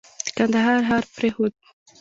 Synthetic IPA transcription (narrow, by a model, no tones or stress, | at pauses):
kand̪aɦɑɾɦɑɾpɾehod̪̚